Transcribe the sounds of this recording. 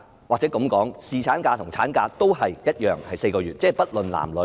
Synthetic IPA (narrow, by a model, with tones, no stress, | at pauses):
waː˨k̚t͡sɛ˨˥kɐ˨˧mkɔː˨˥ŋsiː˨˩t͡sʰaː˨˥nkaː˧t̪ʰʊ˨˩ŋt͡sʰaː˨˥nkaː˧t̪o˥wɦɐ˨jjɐ˥t̚jœː˨ŋhɐ˨jse˧jkɔː˧yː˨˩t̚t͡sɛː˥˨˩pɐ˥t̚lɵ˨nla̰ː˨˩mlɵ˨˥